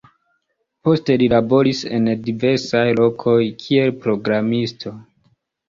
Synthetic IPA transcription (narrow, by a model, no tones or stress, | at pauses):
po̞ste̞lilabo̞ɾise̞̰ndive̞ɾsajlo̞kʰo̞jkʰie̞lpɾo̞ɡɾamistʰo̞